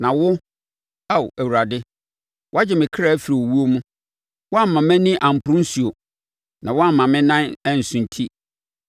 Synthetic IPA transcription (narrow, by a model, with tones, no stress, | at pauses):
nã˨wʊ˦ | a˦˨wæ˨wu˨ɾa˨dɪ˦ | wʔa˦d͡ʑɪ˨mɪ̃˨kʰa˦˨æ˦fi˨ɾi˨wo˨wu˦o˦mũ˦ | wɔ˦a˦m̩˨mã˨mæ̃˦nɪ̃˦ʔã˨m̩˨pʰʊ˦ɾũ˦n̩˦su˨o˨ | nã˨wɔ˦a˦m˨mã˨mɪ̃˦nã˦nɛ˦n̩˨sʊ̃˨n˨tʰi˦